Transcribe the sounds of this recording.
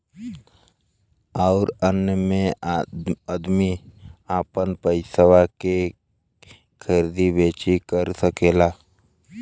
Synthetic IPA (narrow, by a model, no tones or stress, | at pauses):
aːɾənjəmẽ | əd̪miaːpənpəɪsəʋake | kʰəɾd̪ibeːt͡ʃikəɾsəkeːlaː